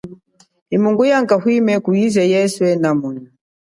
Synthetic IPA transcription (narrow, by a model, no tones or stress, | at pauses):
imuŋɡujaŋkahwimɛkuizɛjɛswɛnamunu